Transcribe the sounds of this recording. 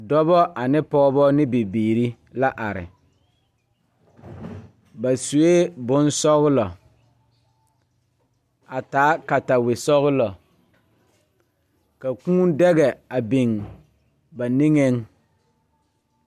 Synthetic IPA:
dɔ˦bɔ˦ʔa˨nɪ˦pɔː˦bɔ˦nɪ˦be˨biː˨ɾi˦ | la˦ʔa˨ɾɪ̰˨ | ba˨su˨e˦bʊ˦nsɔ˦ɣʊ˦lɔ˨ | a˨taː˨˦ka˨ta˨wɪ˨sɔ˦ɣʊ˦lɔ˨ | ka˨kũː˦n˦dɛ˦ɡɛ˨a˨bi˨ŋ | ba˨ni˦ŋe˦ŋ

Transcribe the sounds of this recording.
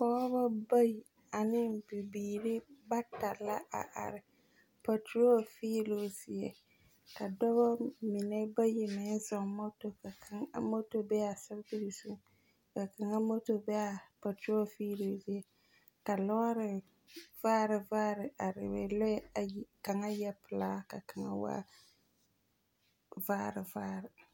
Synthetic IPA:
kɔ˦ba˦ba˦ji˨ | a˨nɪ˦mbi˨biː˨ɾɪ˦ba˦ta˨la˦ʔa̰˨ʔa̰˨ɾɪ˨ | pa˨ti˦o˦fiː˦lo˦zɪ˨ɛ̰˨ | ka˨dɔ˦βɔ˦mɪ˨nɛ˦ba˦jɪ˨mɪ˦n˦zɔ˨ŋmo˦to˨ka˨kʰa˨ŋa̰˦mo˦to˨bɛ˦a˨sa˦ɾti˦ɾi˨su˦ | ka˨ka˨ŋa˦mo˦to˨bɛ˦a˨pa˨tɾo˦fiː˦lo˦zɪ˦jɛ˦ | ka˨lɔ˦a˦ɾɪ˨ | v̥aː˦ɾɪ˨vaː˦ɾɪ˨a˨ɾɪ̰˨bɛ̰˨lɔ˦ɛ˦ka˨ŋa˦jɛ˦pɨ˨laː˦ka˨ka˨ŋa̰˦wa̰˦ | vaː˦ɾɪ˨vaː˦ɾɪ˨

